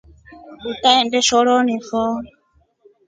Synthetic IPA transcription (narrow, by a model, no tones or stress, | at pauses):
utaɛndɛʃɔɺɔnifɔ